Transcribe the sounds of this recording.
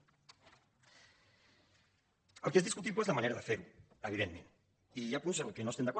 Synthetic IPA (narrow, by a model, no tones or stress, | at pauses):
əlkeezðiskut̪iβoezlamaneɾəðəfeɾu | əβiðemmẽn | ijapunsəkenost̪end̪akɔ